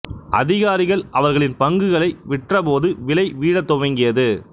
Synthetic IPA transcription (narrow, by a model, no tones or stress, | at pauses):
ʔɐ̰ðɪɣaːɾɪɣɐɭɐʋɐɾɣɐɭɪnpɐŋɡɯɣɐɭɐɪʋɪʈrɐpoːðɯʋɪlɐɪʋiːɽɐt̪ːɔʋɐŋɡɪjɐðɯ